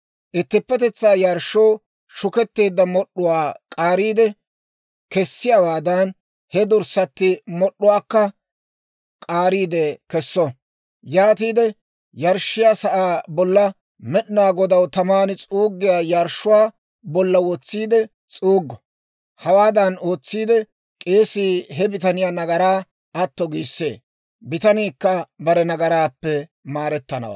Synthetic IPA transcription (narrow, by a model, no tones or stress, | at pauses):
ʔɪt̪ːɪpːɛt̪ɛt͡sːaːjaɾʃːɔw | ʃʊkɛt̪ːe̞ːd̪ːɐmɔɗːʊwaːkʼaːɾiːd̪ɛ | kɛsːɪjawaːd̪ɐn | hɛd̪ʊɾsɐt̪ːɪmɔɗːʊwaːkːɐ | kʼaːɾiːd̪ɛkɛsːɔ | jaːt̪iːd̪ɛ | jɐɾʃːɪjaːsɐʔaːbɔlːɐ | mɛɗɪnaːɡɔd̪ɐwt̪ɐmaːnɪt͡sʼuːɡːɪjaːjɐɾʃʊwaː | bɔlːɐwɔt͡sːiːd̪ɛ | t͡sʼuːɡːɔ | hɐwaːd̪ɐno̞ːt͡sːiːd̪ɛ | kʼe̞ːsiːɦɛbɪt̪ɐnɪjaːnɐɡɐɾaː | ɐt̪ːɔɡiːsːḛː | bɪt̪ɐniːkːɐbɐɾɛnɐɡɐɾaːpːɛmaːɾɛt̪ːɐnɐ̰wa̰ː